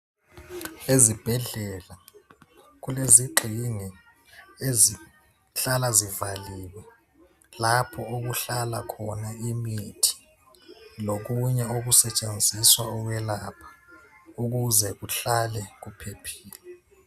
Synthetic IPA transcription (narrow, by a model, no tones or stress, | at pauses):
ezib̥ʱɛɮɛla | k̬uleziɡ͡ǃʱiŋi | ezi | ɬalazivaliːwɛ | lapʰɔok̬uɬala̰kʰɔnaimitʰi̥ | lok̬uɲɛok̬usɛt͡ʃʼend͡zʱiswaɔk̬wɛlapʰḁuk̬uzɛk̬uɬalɛk̬upʰepʰi̥ːlɛ